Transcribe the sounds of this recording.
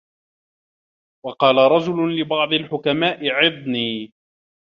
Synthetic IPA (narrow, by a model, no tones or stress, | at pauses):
wɑqɑːlaɾˤɑd͡ʒʊlʊlɪbɑʕd̪ˤɪlħʊkamaːʔɪʕɪðˤniː